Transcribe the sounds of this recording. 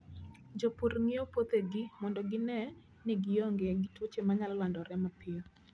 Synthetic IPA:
d͡ʒopuɾŋɪɔpot̪eɡɪmɔndɔɡɪnɛ | nɪɡɪjɔŋɡeɡɪtwot͡ʃemaɲalɔlandɔɾɛmapʰɪɔ

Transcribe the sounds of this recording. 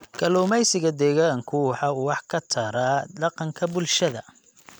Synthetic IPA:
ɡ̥ɐlɔːmɛjsɪɣɐd̪ɛːɣaːŋkʰʊwħɑuːwɑħkʰɐt̪ʰɐɾaɖ̪ɑqɑŋkʰɐbʊlʃɐðɐ̰

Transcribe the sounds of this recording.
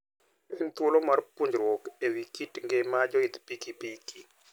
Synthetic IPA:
ent̪wolomarpuɲd͡ʒɾwokewikitŋɡɪmad͡ʒɔɪt̪pikipiki

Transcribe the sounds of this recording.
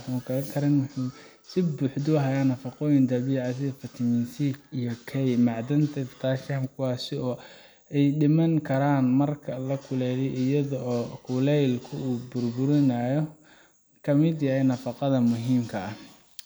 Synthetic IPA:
ħʊkʰɐlɐkʰɐɾɪnwʊħʊ | sɪbuːħd̪ʊɦaːjaːnɐfɑqɔːjɪnd̪ɐβiːʕɑs̬ɪɐfɐt̪ʰɪmɪnsikijɔkʰɛjmɑʕd̪ɐnt̪ʰɛt̪ʰaːʃɐmkʰʊwɑːsɪɔː | ɛjɖɪmɐŋkʰɐɾaːnmɐrkʰɐlɐkʰʊlɛːjɛjʔɪjɐðɔʔɔːkʰʊlɛjlkʰʊuːbʊrbʊɾɪnaːjɔ | kʰɐmɪd̪jɐɦɛnɐfɑqɑðɐmʊɦiːmkʰɐː

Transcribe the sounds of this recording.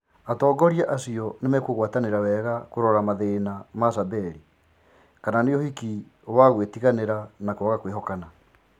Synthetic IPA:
atɔːɡɔɾiaʔasiɔnemɛkoɣwataneɾawɛɣakoɾɔɾamaðenamasabɛɾi | kananeohiki | waɣwetiɣaneɾanakoaɣakweɦɔkana

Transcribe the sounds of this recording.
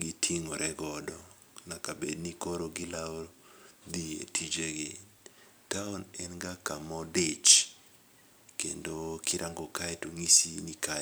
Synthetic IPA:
ɡitʰiŋoɾʔɛɡɔdɔ | nakabednikoɾoɡɪlaod̪iḛtʰid͡ʒeɡɪ | taʊnɛnɡakamɔdet͡ʃ | kendokʰiɾʔaŋɡɔkaɛtuŋisinika

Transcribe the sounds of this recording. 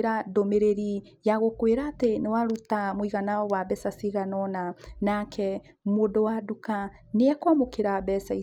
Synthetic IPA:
ɾadomeɾeɾi | jaɣokweɾaːtenewaɾutamoiɣanaɔwabɛsasiɣanɔnanakʰɛ | modowaduka | neɛkwamokeɾabɛsai

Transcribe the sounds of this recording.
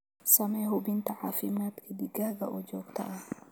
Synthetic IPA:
sɐmeːɦʊbɪnt̪ɐʕaːfɪmaːt̪kʰɪd̪ɪɡaːɡɐʔɔd͡ʒoːkt̪ɐ̰ʔɐ

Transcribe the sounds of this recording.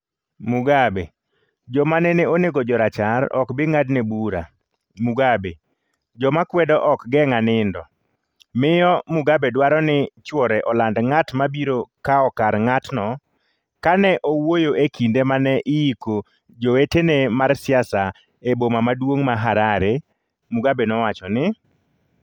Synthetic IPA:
mʊɡabḛ | d͡ʒɔmanɛneoneɡɔd͡ʒɔɾat͡ʃaɾɔ̰kbɪŋadnebuɾa̰ | muɡabe | d͡ʒɔmakwɛdɔʔɔkɡɛŋanɪndɔ | mɪjɔmʊɡabɛdwaɾɔnɪt͡ʃwɔɾɛʔɔlandŋatmabiɾokaɔkaɾŋatnɔ | kanɛʔowojoekʰindemanɛʔɪiko | d͡ʒowetenemarsɪasa | ebomamadwoŋmaɦaɾaɾe | muɡabenɔwat͡ʃɔnɪ

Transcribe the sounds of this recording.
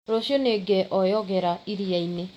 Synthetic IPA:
ɾoʃioneɡɛʔɔjɔɣɛɾaiɾiaine

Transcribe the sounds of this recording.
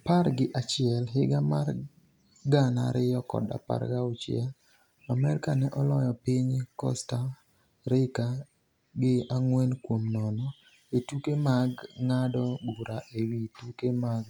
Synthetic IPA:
paɾɡɪʔat͡ʃɪɛlɦɪɡamar | ɡana̰ɾɪjɔkɔ̰da̰pa̰ɾɡaʊt͡ʃɛ̰l | amɛɾkanɛʔɔlɔjɔpɪɲkɔ̰sta | ɾɪka | ɡɪaŋwɛnkwomnɔnɔ | etukemaɡŋadɔbuɾaʔewitukemaɡ̚

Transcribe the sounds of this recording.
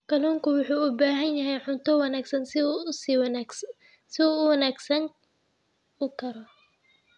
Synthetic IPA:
kʰɐlɔːŋkʰʊwʊħuːʊbaːɦɐnjɐɦɛjʕʊnt̪ʰɔwɑnaːɡsɐnss | sɪuːʊwɐnaːɡsɐn | ʊkʰɐɾɔ

